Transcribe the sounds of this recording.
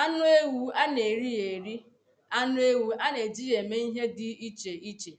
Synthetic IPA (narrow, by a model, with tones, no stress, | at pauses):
a˦nʊ˦e˦wu˨a˦ne˨ɾi˦je˨ɾi˦ | a˦nʊ˦e˦wu˨a˦ne˨d͡ʒi˦je˨me˦i˦ɦe˦dɪ˦i˦t͡ʃe˨i˦t͡ʃe˨